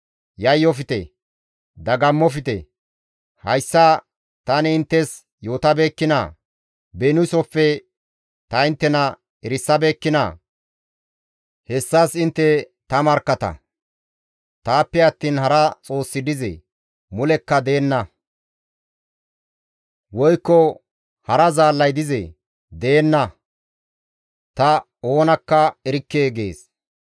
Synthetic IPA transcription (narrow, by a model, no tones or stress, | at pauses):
jɐjːɔfɪt̪ɛ̰ | d̪ɐɡɐmːɔfɪt̪ɛ̰ | hɐjsːɐ | t̪ɐnɛɪnt̪ːɛs | jo̞ːt̪ɐbeːkːɪnɐ̰ | benʊsɔpːɛ | t̪ɐɪnt̪ːɛnɐ | ɛɾɪsːɐbeːkːɪnɐ̰ː | hɛsːaːsɪnt̪ːɛ | t̪ɐmɐɾkːɐt̪ɐ̰ | t̪aːpːɛɐt̪ːiːnhɐɾɐt͡sʼo̞ːsːɪd̪ɪzɛ̰ | mʊlɛkːɐd̪e̞ːnːɐ | wɔjkːɔ | hɐɾɐzaːlːɐjd̪ɪzɛ̰ | d̪e̞ːnːɐ | t̪ɐ | o̞ːnɐkːɐɛɾɪkːeːɡe̞̰ːs